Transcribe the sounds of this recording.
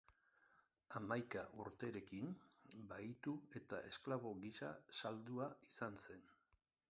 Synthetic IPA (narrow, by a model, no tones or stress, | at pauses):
amajkaʔuɾt̪e̞ɾe̞kinbajt̪ue̞t̪aʔe̞sklaβ̞o̞ɣisa̰sald̪uaisanse̞n